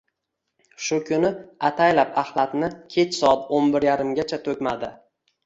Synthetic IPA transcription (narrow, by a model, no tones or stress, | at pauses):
ʃʊkʰʲʊnɪat̪ʰajlapahlˠat̪nɪkʲʰe̞t͡ʃsɒat̪onbɪɾjaɾɪmɡʲat͡ʃʰat̪ʰɵkʲmad̪ɪ